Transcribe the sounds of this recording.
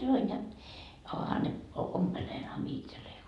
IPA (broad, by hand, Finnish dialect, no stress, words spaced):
sɑnoin jɑ ohɑ ne ompelenhɑn mie itselːei